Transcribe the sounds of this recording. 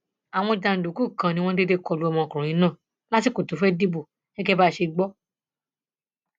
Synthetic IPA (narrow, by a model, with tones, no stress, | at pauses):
a˨w̃ɔ̃˧da˧n̩˨do˨ku˦˨kã˧nĩ˧w̃ɔ̃˦de˦de˦kɔ˧˨lu˦ɔ˧mɔ̃˧˨kɔ˨ɾ̃ũ˨ĩ˨˦nãː˦˨ | la˦ti˦ko˨to˨˦fɛ˦di˦bu˦˨ | ɛ˦kɛ˦ba˦˨ʃe˧ɡ͡bɔ˦